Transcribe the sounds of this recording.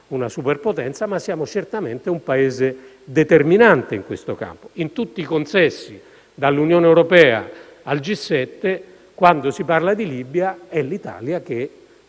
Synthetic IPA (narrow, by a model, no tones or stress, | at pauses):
unasuperpot̪ɛnt̪samasːjaːmot͡ʃert̪ament̪eumpaeːze | d̪et̪erminant̪eiŋkwest̪oka̰mpo̥int̪ut̪ːiːkonsɛsːi | d̪alːunjoːneɛwɾopɛːa̰ː | ld͡ʒisːɛt̪ːe | kwand̪osiparlad̪ilibjaɛlːit̪a̰ːljak̟e